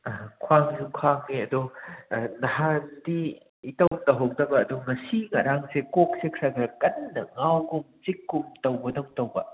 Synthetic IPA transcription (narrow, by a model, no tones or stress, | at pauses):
kʰwaŋsukʰwaŋniɐdu | nɐhandiː | tɐwtɐɦok̚dɐbɐːduŋɐsiŋɐɾaŋsekok̚sekʰɾakʰɾɐkɐnːɐŋawɡumt͡ʃikːumtɐwbɐdowŋtɐwbɐ